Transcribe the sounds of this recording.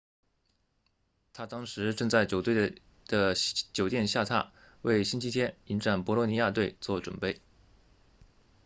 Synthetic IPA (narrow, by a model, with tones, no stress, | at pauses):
t̪ʰa˥t̪ɑ˥ŋʂɻ̩˧˥ʈ͡ʂɤ˥˧ŋt͡sa˥˩ɪt͡ɕjo˨˩ʊt̪we˥˩ | d̪̥ə˩t͡ɕjo˨˩ʊt̪jɛ˥˧nɕja˥˧t̪ʰa̰˥˩ | we˥˩ɪɕi˥nt͡ɕʰi˥t̪ʰjɛ˥ni˧˥nʈ͡ʂa˥˩npwɔ˧˥lwɔ˧˥ni˧˥ja˥˧t̪we˥˧ɪt͡swɔ˥˩ʈ͡ʂwə̰˨˩npe˥˩ɪ